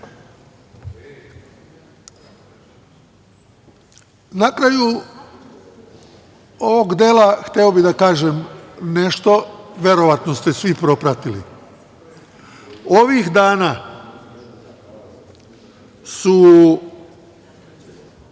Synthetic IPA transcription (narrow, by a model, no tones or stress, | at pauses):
nakɾaju | oʋoɡd̪eːlaxt̪eobid̪akaːʒemne̞ʃt̪o̞ʋʲje̞ɾo̞ʋat̪nost̪e̞sʋipɾo̞pɾat̪ilḭ | o̞ʋixd̪aːna | su